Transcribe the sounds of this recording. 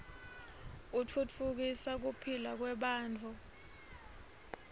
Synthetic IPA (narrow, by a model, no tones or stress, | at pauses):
ut͡fʰut͡fʰuk̬isak̬upʰilak̬wɛɓaːnt͡fʰʼu